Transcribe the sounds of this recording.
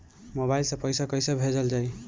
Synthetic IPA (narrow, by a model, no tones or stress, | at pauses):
moβajlsʌpʌjsakʌjsabʱed͡zʌld͡ʒaj